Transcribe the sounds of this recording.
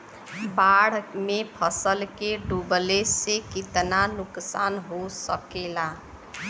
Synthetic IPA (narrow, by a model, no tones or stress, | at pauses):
baɽ̤mepʰəsəlkeɖublesːekit̪nanʊksanɦosəkela